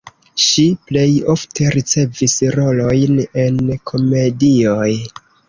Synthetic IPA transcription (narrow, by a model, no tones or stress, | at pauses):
ʃiple̞jo̞ftʰe̞ɾit͡se̞visɾo̞lo̞jne̞nkʰo̞me̞dio̞j